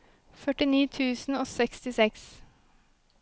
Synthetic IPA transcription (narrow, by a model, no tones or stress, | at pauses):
fœʈɪniːt̪ʰʉːsn̩oːsɛkst̪ɪsɛks